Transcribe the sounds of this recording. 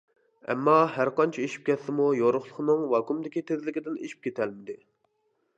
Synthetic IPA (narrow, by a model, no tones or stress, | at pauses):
ɛ̰mːɑɦæɾqɑnt͡ʃʰɛeʃi̥p̚kʲʰɛt̪ːɪmujoɾʊχlˠʊ̥χnɨŋwɑkumd̪ɪkʲit̪ʰezlɪkʲid̪ɪneʃi̥p̚kʲʰet̪ʰɛlmɪd̪ɪ